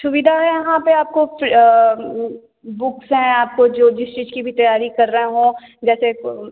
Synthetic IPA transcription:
sʊʋid̪ʱaɦɛ̃jɐɦãpeaːp̚kof | bʊksɦɛ̃aːp̚kod͡ʒoːd͡ʒɪst͡ʃiːzkibʱit̪ɐjaːɾikɐɾːəɦẽɦõːd͡ʒɛːse

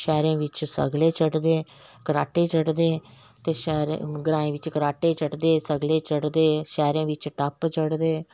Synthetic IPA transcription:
ʃɛːɾẽːʋɪt͡ʃsə̰ɡleːt͡ʃəʈd̪eː | kəɾaːʈeːt͡ʃəɽd̪eː | t̪eːʃɛːɾḛɡɾãːẽːʋɪt͡ʃkəɾaːʈeːt͡ʃəʈd̪eːsəɡleːt͡ʃəɽd̪eːʃɛːɾẽːʋɪt͡ʃʈəpt͡ʃəɽd̪eː

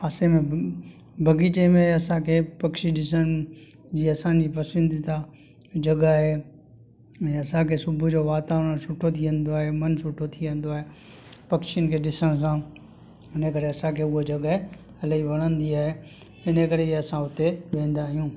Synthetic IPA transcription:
ɐsemẽ | bʱɐɡit͡ɕemẽɐsãkʰeːpɐkʃiɗɪsəɽ̃ | d͡ʑiːɐsãd͡ʑiːpɐsɪ̃nd̪it̪ã | d͡ʑɐɡaːɦe | ɐsãkʰeːsʊbʱʊd͡ʑoːʋaːt̪aːʋəɽə̃sʊʈʰot̪ʰiʋə̃nd̪oaːɦemɐnsʊʈʰot̪ʰiʋə̃n̆d̪oaːɦe | pɐkʃijənɪkʰeːɗɪsəɽ̃s̬ã | ɪnəkɐɾeɐsãkʰeːʊɦod͡ʑɐɠəɦe | ɐləiʋɐɽ̃ə̃nd̪iaːɦe | ɪnəkɐɾeiɐsãʊt̪eʋẽːn̆d̪aːɦijũː

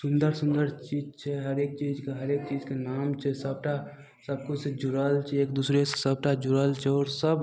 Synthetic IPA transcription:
sʊ̃nd̪əɾsʊ̃nd̪əɾt͡ʃiːd͡ʒt͡ʃʰɛɦɐɾeːk̚t͡ʃiːd͡ʒkeɦɐɾeːk̚t͡ʃiːd͡ʒkenaːmt͡ʃʰɛsəb̚ʈa | səb̚kused͡ʒʊɾəlt͡ʃʰɛeːkd̪uːsɾessəb̚ʈad͡ʒʊɾəlt͡ʃʰɛɔːɾsəb

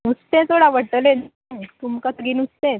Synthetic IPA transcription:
ut͡st̪ẽt̪oɽaʋəʈəlen | t̪umkət̪ɡiːnut͡st̪ẽ

